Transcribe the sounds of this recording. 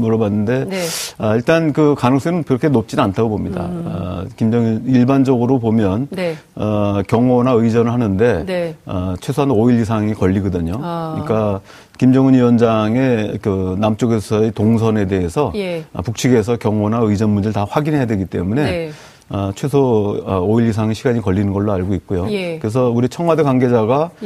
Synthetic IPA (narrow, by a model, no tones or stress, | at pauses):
muɾʌbanːɯnde̞ʌiɭt͈ankɯkanɯŋs͈ʌɾɯnkɯɾʌkʰe̞nop̚t͡ɕ͈inantʰaɡobomɲida̰kimd͡ʑʌŋɯniɭband͡ʑʌɡɯɾopomjʌn | ʌkjʌŋonaɯid͡ʑʌnɯɭɦanɯnde̞ʌt͡ɕʰwe̞sʰoɦanoiɭis̬ʰaŋikʌʎːiɡʌdɯɲoɲik͈a | kimd͡ʑʌŋɯniwʌnd͡ʑaŋe̞kɯnamt͡ɕ͈oɡe̞sʰʌetoŋsʰʌne̞de̞ɦesʰʌj̰puk̚t͡ɕʰiɡe̞s̬ʰʌkjʌŋonaɯd͡ʑʌnmund͡ʑeɭtaɸwaɡinɦe̞jadwe̞ɡit͈e̞̰mune̞ | ʌt͡ɕʰwe̞sʰooiɾis̬ʰaŋiɕʰiɡaɲikʌʎːinɯnɡʌɭːoaɭɡoik̚k͈ojokɯɾes̬ʰʌuɾit͡ɕʰʌŋwadekwaŋɡe̞d͡ʑaɡa